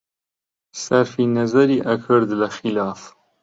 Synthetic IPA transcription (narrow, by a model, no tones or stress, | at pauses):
sɐɾfinɐzɐɾiːʔɐkʰɨɾd̪lɐxilɑːf